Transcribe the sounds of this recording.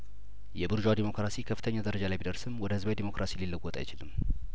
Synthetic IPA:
jɛbɨɾʒad̪imo̞kɾasikʰəfːɨ̥t̪ʰəɲːad̪əɾəd͡ʒalajbid̪əɾsɨmwɔd̪əhɨzbawjd̪imo̞kɾʔasililːɨɡwɔt̪ʼa̰jɪt͡ʃɪlɨmː

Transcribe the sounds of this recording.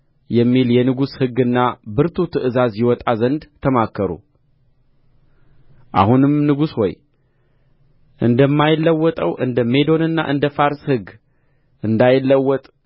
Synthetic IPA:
jɛmːiljɛnɨɡushɨɡːɨnːabɨɾt̪ʰut̪ʰɨʔɨzazjɪwɔt̪ʼazənd̪t̪ʰːəmakʰːəɾṵ | ʔa̰hunɨmnɨɡuswɔ̰j | ʔɨnd̪əmːajɪlːəwːɔt̪ʼəwʔɨnd̪əme̞d̪o̞nɨnːa̰ʔɨnd̪əfaɾshɨɡ | ʔɨnd̪ajɪlːəwːɔt̪ʼ

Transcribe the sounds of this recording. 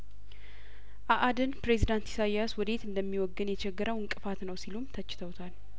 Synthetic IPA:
ʔaʔad̪ɨnpɾe̞zid̪ant̪i̥sajaswɔd̪e̞t̪ɨnd̪əmːiwɔɡːɨnjɛt͡ʃʰɛɡːɨɾʔəwɨŋkʼɨfat̪nəwsilumt̪ʰət͡ʃːɪ̥t̪ʰəwt̪ʰal

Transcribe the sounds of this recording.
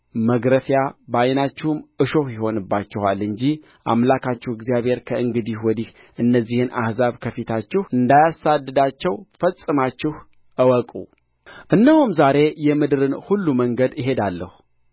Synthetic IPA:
məɡɾəfjabajnat͡ʃːɪhumɨʃo̞hjɪho̞nɨbːat͡ʃːɛha̰lɨɲd͡ʒi | ʔa̰mlakʰat͡ʃːɛhɨɡzijaβe̞ɾkʰəʔɨŋɡɨd̪ihwɔd̪ih | ʔɨnːəzːihɨnʔa̰hzaβkʰəfit̪ʰat͡ʃːɪhʔɨnd̪ajasad̪ːɨd̪at͡ʃːɛwfəsʼɨmat͡ʃːɪh | ʔəwɔkʼṵ | ʔɨnːəhumzaɾe̞jɛmɨd̪ɨɾɨnhulːuməŋɡəd̪ɪɦe̞d̪alːə̰hu

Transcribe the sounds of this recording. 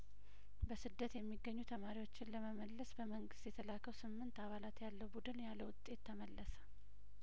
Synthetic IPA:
bəsɨd̪ːət̪jɛmːiɡːəɲːut̪ʰəmaɾiwo̞t͡ʃːɪnləməməlːəsbəməŋɡɨst̪jɛt̪ʰəlakːəwsɨmːɨnt̪aβalat̪jalːəwbud̪ɨnjalːəwʊt̪ʼːe̞t̪ʰːəməlːəsə̥

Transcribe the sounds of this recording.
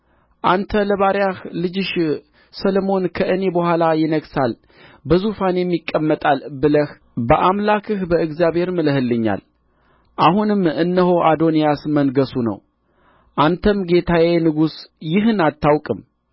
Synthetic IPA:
ʔant̪ʰələβaɾjahlɨd͡ʒɪʃ | səlmo̞nkʰəʔɨne̞bəhʷalajɪnəɡsal | bəzufanjɛmːikʼːəmːət̪ʼalbɨləh | bəʔamlakʰɨhbəɨɡzjaβhe̞ɾmɨləhɨlːɨɲːa̰l | ʔahunɨmːɨnːəho̞ʔad̪o̞nijasmənɡəsunə̰w | ʔant̪ʰəmɡe̞t̪ʰawenɨɡusjɪɦɨnat̪ʰːawkʼɨm

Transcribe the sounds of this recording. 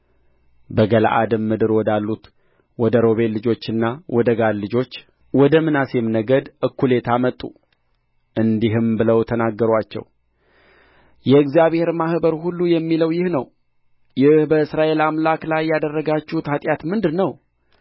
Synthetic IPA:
bəɡəla̰ʔad̪ɨmːɨd̪ɨɾwɔd̪alːut̪ | wɔd̪əɾo̞βe̞llːɨd͡ʒo̞t͡ʃːɨnːawɔd̪əɡaɾlɨd͡ʒo̞t͡ʃː | wɔd̪əmɨnasemnəɡəd̪ʔɨkːule̞t̪ʰamət̪ʼːṵ | ʔɨnd̪iɦɨmbɨləwt̪ʰənaɡːəɾwat͡ʃːɛ̰w | jɛɨɡzijaβhe̞ɾmahbəɾhulːujɛmːiləwjɪhnəw | jɪhbəɨsɾaʔe̞lamlaklajːad̪ərːəɡat͡ʃːuut̪ʰat̪ʼjat̪mɨnd̪ɨnəw

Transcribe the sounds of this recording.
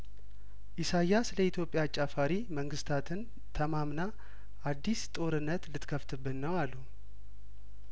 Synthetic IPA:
ʔɪsajasləit̪ʰjo̞pʼjat͡ʃʼːafaɾiməŋɡɨst̪ʰat̪ʰɨn | t̪ʰəmamna | ʔad̪ːist̪ʼo̞ɾɨnːət̪lɨt̪kʰəft̪ʰɨbːɨnːəwalːu

